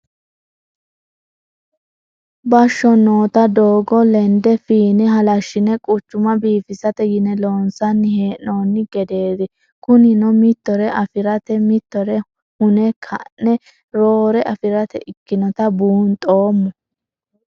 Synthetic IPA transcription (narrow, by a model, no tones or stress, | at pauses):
bɐʃːɔnoːt̪ɐd̪o̞ːɡɔlɛnd̪ɛfiːnɛɦɐlɐʃːɪnɛkʼʊt͡ʃːʊmɐbiːfɪsɐt̪ɛjɪnɛlo̞ːnsɐnːɪhe̞ːʔnoːnːɪɡɛd̪e̞ːd̪ɪ | kʊnɪnɔmɪt̪ːɔɾɛʔɐfɪɾɐt̪ɛmɪt̪ːɔɾɛ | hʊnɛkʰɐ̰nːɛ | ɾoːɾɛʔɐfɪɾɐt̪ɛʔɪkːɪnɔt̪ɐbuːnt̪ʼo̞ːmːʊ